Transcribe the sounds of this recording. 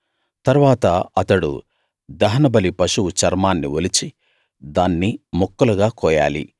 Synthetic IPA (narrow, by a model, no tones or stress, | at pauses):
t̪ɐɾʋaːt̪ɐɐt̪ɐɽṵ | d̪ɐɦɐnɐbɐlipɐʂuwut͡ʃɐɾmaːnːiʋolit͡ʃi | d̪aːnːimɔkːɐlɐɡaːkɔːja̰ːlḭ